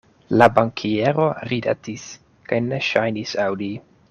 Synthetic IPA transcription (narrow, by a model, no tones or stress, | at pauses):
labaŋkʰieɾo̞ɾida̰tis | kajne̞ʃajnisawdi